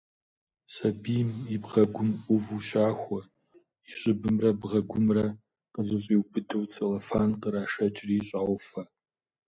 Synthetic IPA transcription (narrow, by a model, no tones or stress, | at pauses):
sɐbiːmibʁɐɡʷʊmʔʷʼʊvuɕaːxʷɔ | iɕʼɪbɨmrɐbʁɐɡʷʊmrɐ | qəzɨɕʷʼiwbʰɨdɨwt͡sʰʼɐlɐfaːnqəɾaːʂɐt͡ʃʼriːɕʼaːwʷfɐ